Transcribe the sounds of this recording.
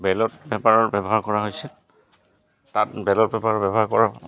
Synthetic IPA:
bɛlɔtbɛpaɹɔɹbɛbɔɦaɹkɔɹaɦojsɛ | tatbɛlɔt̚bɛpaɹɔbɛbɔɦaɹkɔɹa

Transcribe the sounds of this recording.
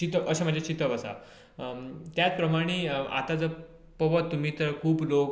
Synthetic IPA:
t͡ɕit̪əʔəɕem̤əɳd͡zet͡ɕit̪əʋəsa̰ | t̪jat͡spɾəmaɽ̃ea̰t̪ad͡zə | pəʋət̪ːum̤iːt̪əɾkʰuːblok

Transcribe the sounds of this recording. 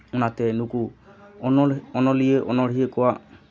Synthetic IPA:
unat̪ɛnuku | ɔnɔlieʔɔnɔɽ̤iekɔwaʔ

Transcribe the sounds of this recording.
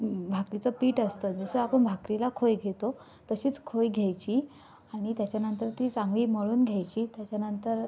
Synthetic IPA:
bʱakɾit͡səpiːʈəst̪əd͡zəsəapəɳbʱakɾilakʰojɡʱet̪o | t̪əɕiːt͡skʰojɡʱjajt͡ɕiː | aɽ̃it̪jat͡ɕjanənt̪əɾt̪iːt͡sãŋɡliːməɭuːnɡʱjajt͡ɕiːt̪jat͡ɕjanənt̪əɾ

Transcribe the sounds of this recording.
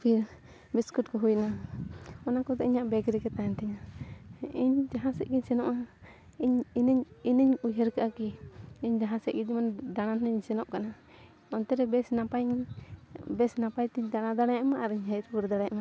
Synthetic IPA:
pʰiɾ | bɛskutkɔɦujna | ɔnakɔd̪ɔiɲaʔbɛɡɾikɛt̪aɛnt̪ʰɛɲa | iɲd͡ʒaɦãsɛʔ̚kiɲsɛnɔʔa | iɲnɲinəɲujɦɛɾkaʔakiiɲd͡ʒaɦãsɛʔ̚ɡid͡ʒmand̪aɽanɛɲsɛnɔʔkana | ɔnt̪ɛɾɛbɛsnapaɲ | bɛsnapajt̪iɲd̪aɽad̪aɽajamaʔaɾiɲɦɛɾuɾd̪aɽajʔama

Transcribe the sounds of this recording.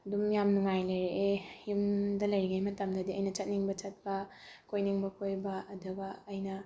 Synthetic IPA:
ɐdumjamnuŋajlɐjɾeʔejumdɐlɐjɾiɡajmɐtɐmdɐdiɐjnɐt͡ʃɐt̚niŋbɐt͡ʃɐt̚bɐ | kʰojniŋbɐkʰojbɐʔɐduɡɐːjnɐ

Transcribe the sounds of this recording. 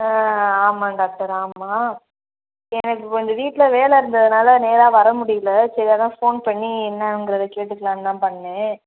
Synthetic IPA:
aːmaːɖaːk̚ʈɐɾaːmaː | ɛnɐkːɯkɔɲd͡ʒɐʋiːʈːɪlɐʋeːlɛɪɾɯnd̪ɐðɯnaːlɐneːɾaːʋɐɾɐmʊɽɪjɯlɐsɐɾɪjaːðãːfoːnpɐɳːiɛnːɐɯŋɡɪɾɐðɐkeːʈ̬ːɯkːɐlãːnnãːpɐɳːɐnẽː

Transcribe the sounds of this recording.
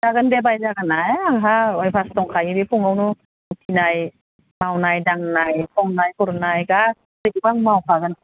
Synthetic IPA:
zaɡɯndebajzaɡɯnajaŋɦaɔjpʰastɔŋkʰajibipʰuŋawnu | utʰinaj | mawnajdaŋnajpʰɔŋnajkʰɔɾnajɡa | dɯɡibaŋmawkʰaɡɯn

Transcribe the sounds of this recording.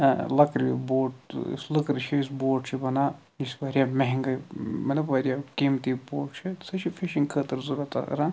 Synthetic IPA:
lɐkɾʲiboːʈslɨkɾɨt͡ʃʰiisboːʈt͡ʃʰibɐnaː | jisʋɐɾʲijaːmeɦiŋɡɐmɐt̪lʲɐbʋɐːɾʲijakimt̪iboːʈt͡ʃʰisɐt͡ʃʰifiʃiŋkʰəːt̪ɨɾzuɾat̪a̰ɾaː

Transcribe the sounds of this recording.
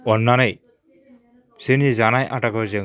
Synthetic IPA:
ɔnːanaj | senied͡ʒanajʔaʈakɔd͡ʒe

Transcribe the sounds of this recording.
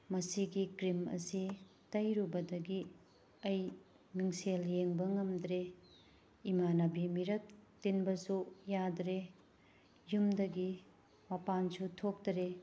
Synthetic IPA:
mɐsiɡikɾimɐ̰si | tɐjɾubɐdɐɡi | ɐj | miŋseljeŋbɐŋɐmd̪ɾe | imanɐbimiɾɐtː | inbɐsujadɾe | jumdɐɡi | mɐpansutʰok̚tɐɾe

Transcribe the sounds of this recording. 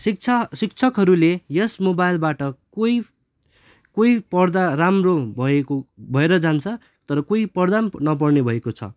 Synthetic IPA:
sik̚t͡sʰasik̚t͡sʰʌkɦʌɾulejʌsmobajlbaʈʌkoj | koipʌrd̪aramrobʱʌekobʱʌeɾʌd͡zant͡sʰʌ | t̪ʌɾʌkoipʌrd̪annʌp̬ʌrnebʱʌekot͡sʰʌ̰

